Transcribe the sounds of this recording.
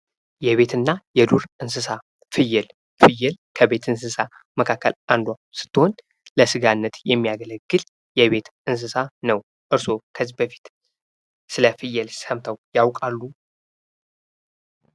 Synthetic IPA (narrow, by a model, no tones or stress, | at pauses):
jɛβe̞t̪ʰɨnːajɛd̪uɾʔɨns̬ɨsa | fɨjɛl | fɨjːɛlkʰəbe̞t̪ʰɨns̬ɨsa | məkʰakːə̰lʔand̪wasɨ̥t̪ːɨho̞n | ləsɨɡanːət̪jɛmːijaɡələɡːɨl | jɛβe̞t̪ɨns̬ɨsanəw | ʔɨɾso̞kʰəzbəfi̥t̪ | sɨləfɨjːɛlsəmt̪ʰəwjawkʼalːu